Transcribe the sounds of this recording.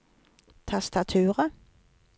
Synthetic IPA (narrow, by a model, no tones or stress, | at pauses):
t̪ʰɛst̪at̪ʰʉːʁə